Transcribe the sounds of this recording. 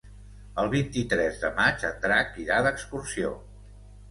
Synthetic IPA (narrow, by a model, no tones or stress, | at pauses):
əlˠβint̪it̪ɾɛzðəmad͡ʒənt̪ɾakiðaðəkskursio̰